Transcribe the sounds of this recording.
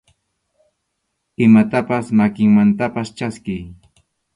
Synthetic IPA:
ɪmat̪apasmakɪŋmant̪apast͡ʃaskɪj

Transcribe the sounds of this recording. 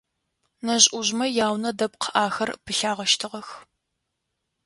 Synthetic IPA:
nɐʑʼʔʊʑmɐjaːwnɐdɐpqʰəʔaːxɐrpʰɨɬaːʁɐʃtʰɨʁɐx

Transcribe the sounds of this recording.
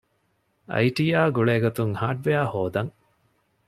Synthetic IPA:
ɐ̰jʈiːaːɡuɭeːɡot̪uŋhaːʈ̚ʋeaːhoːd̪ɐŋ

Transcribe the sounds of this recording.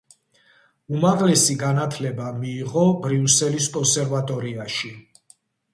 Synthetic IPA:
umaʁlɛsiɡanat̪ʰlɛbamiːʁɔbɾiusɛliskʼɔnsɛɾvat̪ʼɔɾiaʃi

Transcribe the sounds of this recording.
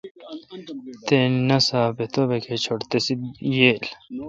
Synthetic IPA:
t̪enɐsaːpet̪obekʰet͡ɕʰoɽt̪esijeːl

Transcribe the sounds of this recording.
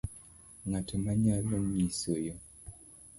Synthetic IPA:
ŋatʰəmaɲalənɲisəjə

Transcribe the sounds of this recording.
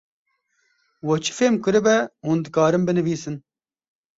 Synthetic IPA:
wɛt͡ʃʰɨ̥feːmkɨɾɨbɛhuːnd̪ɨkaːɾɨmbɨnɨviːsɨn

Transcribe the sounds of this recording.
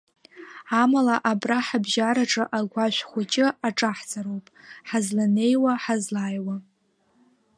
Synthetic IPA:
amalaʔabraħabʒaɾaʈ͡ʂʼɨʔaɡʷaʃʷχʷʊt͡ʃʼɪaʈ͡ʂʼaħt͡sʰʼaɾowpʼħazlane̞jwaħazlaːjwa

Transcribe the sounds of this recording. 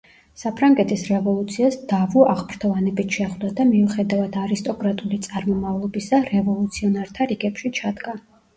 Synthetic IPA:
sapʰɾaŋɡɛt̪ʰʼisɾɛvɔlˠut̪sʰiasd̪avuaʁmɾt̪ʰɔvanɛbit̪ʰʃɛχd̪ad̪amiuχɛd̪avad̪ʰaɾist̪ʼɔkʼɾat̪ʼulit̪sʼaɾmɔmavlˠɔbisaɾɛvɔlˠut̪sʰiɔnaɾt̪ʰaɾiɡɛpʃit͡ʃʰad̪ɡa

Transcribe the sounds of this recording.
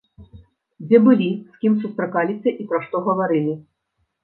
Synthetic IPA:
d͡zʲɛbɨlʲisʲkʲimsust̪ɾakalʲisʲɐʔipɾɐʂt̪ɔɣɐvaɾɨlʲi

